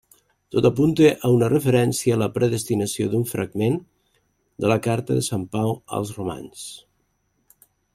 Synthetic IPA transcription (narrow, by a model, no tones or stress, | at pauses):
t̪ot̪ɐpunt̪eʔəunərəfəɾɛnsiəːləpɾəðəst̪inəsio̰d̪uɱfɾʔa̰ɡmen | d̪ələkaɾt̪əðəsampawə̰lˠzruma̰ns